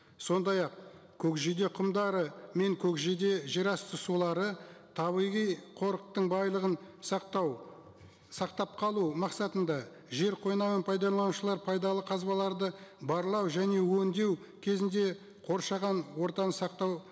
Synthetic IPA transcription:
so̞nd̪ɑjɑq̚ | kʲʰɵkʒid̪e̞qʰʊmd̪ɑɾəme̞ŋkʲʰɵkʒed̪e̞ʒeɾɑst̪ʰəsulˠɑɾət̪ʰɑβijʁijqʰo̞ɾəq̚t̪əɴbɑjlˠəʁən | sɑqt̪ɑp̚qʰɑlˠumɑqsɑt̪ənd̪ɑ | ʒe̞ɾqʰo̞jnɑʁɑnpʰɑjd̪ɑlˠɑnuʃəlˠɑɾpʰɑjd̪ɑlˠəqʰɑzbɑlˠɑɾd̪əbɑɾlˠɑwʒæne̞wɵnd̪e̞w | kʲʰe̞zɪnd̪e̞ | qʰo̞ɾʃɑʁɑnwo̞ɾt̪ɑnəsɑqt̪ɑw

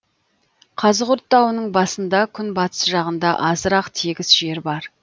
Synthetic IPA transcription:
qʰɑzəqʊɾt̪ːɑwənəɴbɑsənd̪ɑkʲʰʏnbɑt̪ə̥sʒɑʁənd̪ɑʔɑzəɾɑqt̪ʰiɡʲɪzʒe̞ɾbɑɾ

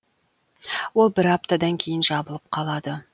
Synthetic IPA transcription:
wo̞lˠbɪɾɑp̚t̪ad̪ɑŋkʲʰe̞jɪnʒɑbəlˠəp̚qʰɑlˠɑd̪ə

